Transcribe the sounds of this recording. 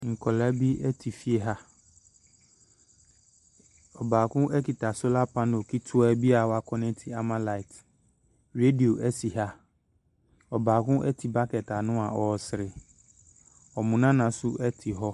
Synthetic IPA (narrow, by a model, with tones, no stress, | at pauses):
ŋ̩˨kʰɔ˨lɛ˦bi˦ɛ˦tʰi˨fi˦e˦ɦa˦ | ɔ˨baː˨kʊ̃˦ʔɛ˦ki˨ta˨sʊ˦la˦pʰã˦no˨kʰi˦tʰʊ˦ɛ˦bi˦a˨wa˦kʰɔ˦nɛ̃˦tʰi˨a˨mã˦la˦i˨t | ɾe˦di˨o˨ʔɛ˦si˨ɦa˦ | ɔ˨baː˨kʊ̃˦ʔɛ˦tʰi˨ba˦kɛ˨ta˨nʊ̃˦a˨ɔ˨sɪ˨ɾɪ˨ | ɔ˨mʊ̃˨nã˦nã˨sʊ˦ʔɛ˦tʰi˨ɦɔ˦